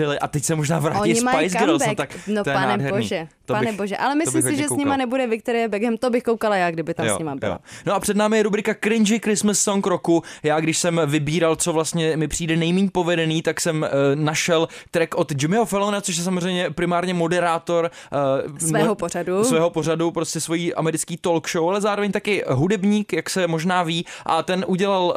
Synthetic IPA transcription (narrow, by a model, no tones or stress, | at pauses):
bɪlɪʔat̪ɛcsɛmoʒnaːvɾaːɪspajsɡɾalsɛmt̪aknot̪ojɛɛaːdɦɛɾnḭːʒɛt̪onɛboʒɛʔa̰lɛmɪsobliɪmxsɪʒɛsɲɪmanɛbudɛvɪk̚t̪ɛɾɛɛbɛɡɛmt̪obɪxkowkalajaːɡdɪbɪt̪ajosɲɪmabɪ̰noʔapr̥ɛdnaːmɪjɛɾubɾɪkakɾɪnd͡ʒɪkɾɪsmɪsːonkɾokujaːɡdɪʃsɛmvɪbiːɾalt͡so̞vlast̪ɲɛmɪpr̥iːdɛnɛjmiːɲpo̞vɛdɛniːt̪aksɛmnaʃɛlt̪ɾɛkʔo̞t̪d͡ʒɪmɪɦofɛlonat͡so̞ʃjɛsamozr̝ɛjmɲɛpɾɪmaːɾɲɛmo̞dɛɾaːt̪o̞ɾ | sɛːɦoporadusvɛːɦo̞po̞radupɾo̞scɛsvo̞jiːʔa̰mɛɾɪt͡skiːt̪o̞lkʃowalɛzaːɾovɛɲt̪akɪɦudɛbɲiːkjaksɛmo̞ʒnaːviːʔa̰t̪ɛnʔuɟɛlal